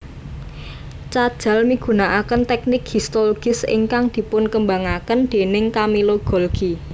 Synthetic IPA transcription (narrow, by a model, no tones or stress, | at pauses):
t͡ʃad̥ʒ̥ä̤lmiɡ̥ṳnaʔakənt̪ɛk̚nɪkhist̪oloɡ̥ɪsɪ̰ŋkaŋd̪̥i̤pʊnkəmbaŋakənd̪̥e̤nɪŋkamiloɡ̥ɔ̤lɡ̥i